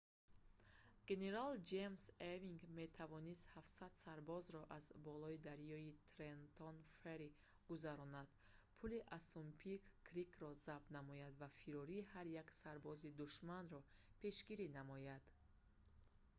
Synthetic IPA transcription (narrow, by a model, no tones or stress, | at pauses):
ɡ̥e̞ne̞ɾald͡ʒemseviŋɡme̞t̪ʰavɔnist̪hafsad̪saɾbɔzɾɔʔazbɔlɔid̪aɾjɔit̪ʰɾent̪ʰɔnfeɾi | ɡ̥uzaɾɔnad̪̥ | pʰuliʔasumpʰikːɾikʰɾɔzab̪namɔjad̪vafiɾɔɾihaɾjaksaɾbɔzid̪uʃmanɾɔpʰe̞ʃɡiɾinamɔjad̪̥